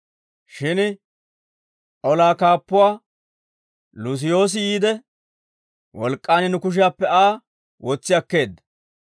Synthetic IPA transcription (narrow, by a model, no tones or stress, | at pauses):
ʃɪn | ʔɔlaːkaːpːʊwaː | lʊs̬ɪjo̞ːs̬ɪiːd̪ɛ | wɔlkʼːaːnɪnʊkʊʃ̬ɪjaːpːɛaː | wɔt͡sːɪjɐkːe̞ːd̪ːɐ̥